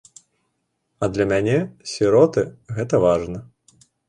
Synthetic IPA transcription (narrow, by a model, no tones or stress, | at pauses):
ɐd̪lʲɐmʲanʲɛsʲiɾɔt̪ɨɣɛt̪ɐvaʐnɐ